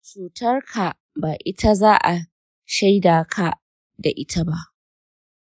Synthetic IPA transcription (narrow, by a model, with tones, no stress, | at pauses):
t͡ʃuː˨tɐ˦rkʰa˨ | baː˨ʔɪ˦tʰa˦zaː˦ʔa˨ | ʃa˦jdaː˨kʰa˨ | da˨ʔɪ˦tʰa˦ba˦ʔ